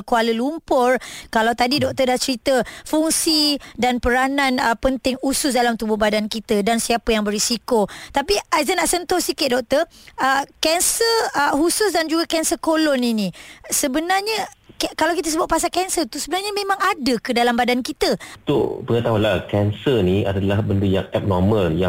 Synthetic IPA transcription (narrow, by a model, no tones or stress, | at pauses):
kualəlumpʊrkalawt̪adidɔk̚t̪ərdaht͡ʃəɾit̪əfuŋsidanpəɾanãnəpənt̪ɪŋusʊs̬dalamt̪ubʊhbadankit̪ədansiapəjaŋbəɾisikot̪apiazənaʔsənt̪ʊhsikɪt̪̚dɔk̚t̪əəkɛnsəəhusʊsdand͡ʒuɡakɛnsəkolɔninĩsəbənarɲəkkalawkit̪əsəbʊt̪̚pasakɛnsərt̪usəbənarɲəmẽmãŋadəkədalambadankit̪ət̪oʔpəŋət̪aɦulahkɛnsənĩa̰dalahbənduja̰ŋɛp̚nɔməlja